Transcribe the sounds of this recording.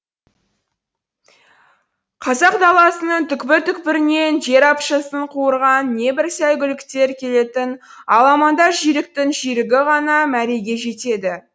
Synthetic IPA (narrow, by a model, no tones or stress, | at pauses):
qʰɑzɑq̚d̪ɑlˠɑsənəɴt̪ʰʏkpɪɾt̪ʏkpɪɾɪne̞nʒe̞ɾɑpʃɑsəɴqʰuwəɾʁɑnːe̞bɪɾsæjɡʲʏlɪkt̪e̞ɾkʲʰe̞le̞t̪ɪn | ɑlˠɑmɑnd̪ɑɾʒijɾɪk̚t̪ɪŋʒijɾɪɡʲɪʁɑnɑmæɾe̞jɡʲe̞ʒe̞t̪e̞d̪ɪ